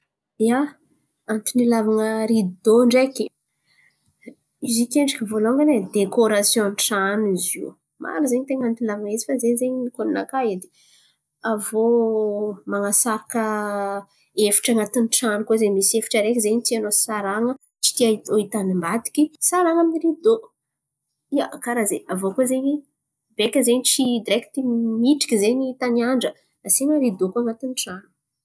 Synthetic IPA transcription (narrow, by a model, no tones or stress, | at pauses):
ia | ant̪inilavaŋəɾid̪id̪oɳɖ͡ʐekʲi̥ | izikʲeɳɖ͡ʐikʲivoloŋɡaned̪ekoɾasjõnʈ͡ʂaniziw | ma̰ɾizeɲit̪eŋant̪inilavaŋezi̥fazeɲzeɲinikonina̰kaed̪e | avo | maŋasaɾakə | efi̥ʈ͡ʂaŋat̪inʈ͡ʂanikozeɲmisiefi̥ʈ͡ʂəɾekʲizeɲit̪ianosaɾaŋə | t͡ʃi̥t̪iaoit̪animbat̪i̥kʲisaɾaŋaminiɾid̪o | iakaɾazeavokozeɲi | bekʲəzeɲit͡sid̪iɾekʲt̪imiʈ͡ʂi̥kʲizeɲit̪aniaɳɖ͡ʐə | nasiɲəɾid̪okuaŋat̪inʈ͡ʂanu̥